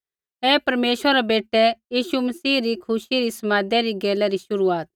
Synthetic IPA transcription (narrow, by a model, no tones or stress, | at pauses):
ɦeːpɐɾmeːʃʋəɾɾɛbeːʈɛjiːʃumɐsiːɾikʰʊʃiɾisɐmãːd̪ɛɾiɡeːlɛɾiʃʊɾuaːt̪̚